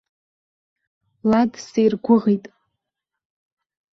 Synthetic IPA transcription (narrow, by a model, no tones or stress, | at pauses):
ladsejrɡʷʊʁijtʼ